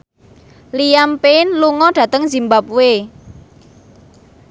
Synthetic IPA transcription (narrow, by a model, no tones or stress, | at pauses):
lijampenluŋɔɖ̥ä̤t̪əŋzi̤mbap̚we